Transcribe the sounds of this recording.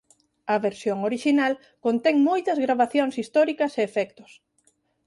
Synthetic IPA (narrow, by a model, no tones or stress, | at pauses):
ɐβeɾsjoŋoɾiʃinal | kont̪ɛŋmojt̪ɐzɣɾaβaθjoŋsist̪ɔɾikɐseːfɛkt̪ʊ̥s